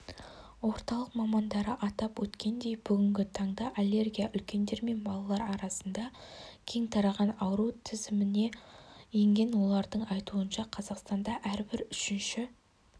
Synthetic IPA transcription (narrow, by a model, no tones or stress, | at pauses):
wo̞ɾt̪ɑlˠəqmɑmɑnd̪ɑɾəʔɑt̪ɑpwɵt̪kʲe̞nd̪e̞jbʏɡʲɪŋɡʲɪt̪ʰɑɴd̪ɑʔalʲːe̞rɡʲijaʔʏlkʲe̞nd̪e̞ɾme̞nbɑlˠɑlˠɑɾɑɾɑsənd̪ɑkʲʰe̞ŋt̪ʰɑɾɑʁɑnɑwɾut̪ʰɪzɪmɪne̞je̞ŋɡʲe̞nwo̞lˠɑɾd̪əɴɑjt̪uənʃɑqʰɑzɑqst̪ɑnd̪ɑʔæɾbɪɾʏʃɪnʃɪ